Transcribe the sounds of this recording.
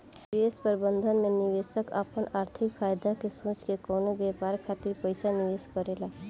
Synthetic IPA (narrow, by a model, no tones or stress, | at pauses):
espəɾbənd̪ʱənmeniʋesəka̰pənaɾt̪ʰikpʰajd̪akesõt͡ʃkekɔwnobepaɾkʰat̪iɾpəjsaniʋeskɔɾela